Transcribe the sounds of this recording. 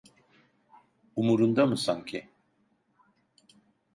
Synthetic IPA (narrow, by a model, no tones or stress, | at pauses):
umuɾund̪amɯsaŋcʰɪ